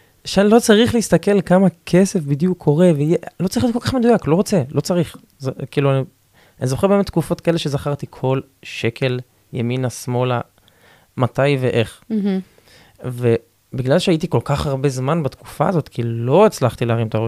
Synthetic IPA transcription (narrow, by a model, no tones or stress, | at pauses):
ʃanlo̞t͡saʁiχleist̪ake̞lkamakʰese̞fbidjukʰːo̞ʁe̞veijelot͡saʁijodkolkaχmed̪ujaklo̞ʁo̞t͡selʔo̞t͡saʁiχ | zekiːluani | anizo̞χebemet̪̚ːkufo̞t̪̚kaeleʃe̞zaχaʁt̪ikʰo̞l | ʃe̞kʰe̞l | jaminasmo̞la | mat̪ajveʔe̞χ | ve | biɡlalʃeajit̪iko̞lkaχaʁbezmanbat̪ku̥fa̰ːzo̞t̪kʰilo̞et͡slaχt̪ileaʁimt̪aʁo